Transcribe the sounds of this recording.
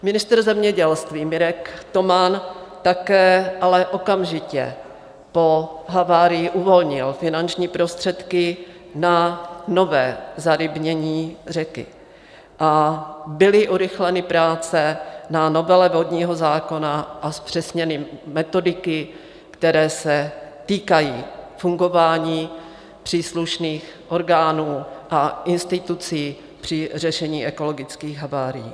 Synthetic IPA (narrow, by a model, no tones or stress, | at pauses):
mɪnɪst̪ɾ̩zɛmɲɛɟɛlst̪viːmɪɾɛkt̪o̞mant̪akɛːʔalɛʔo̞kamʒɪcɛ̰ | po̞ɦavaːɾɪjɪʔuvo̞lɲɪlfɪnant͡ʃɲiːpɾo̞st̪r̝̥ɛt̪kɪ | nano̞vɛːzaɾɪbɲɛɲiːr̝ɛkɪ̰ | ʔabɪlɪʔuɾɪxlɛnɪpɾaːt͡sɛnano̞vɛlɛvodɲiːɦo̞zaːko̞naʔaspr̝̥ɛsɲɛnɪmɛt̪o̞dɪkɪ | kt̪ɛɾɛːsɛt̪iːkajiːfuŋɡo̞vaːɲiː | pr̝̥iːsluʃniːxʔo̞ɾɡaːnuːʔaʔɪnst̪ɪt̪ut͡siː | pr̝̥ɪrɛʃɛɲiːʔɛko̞lo̞ɡɪt͡skiːɣɦavaːɾɪjḭː